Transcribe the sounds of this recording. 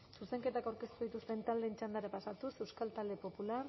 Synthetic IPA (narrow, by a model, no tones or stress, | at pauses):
suse̞ŋke̞t̪akawɾke̞st̪uðit̪ust̪e̞nt̪ald̪e̞ːnt͡ʃand̪aɾapasat̪use̞wskalt̪ald̪e̞po̞pular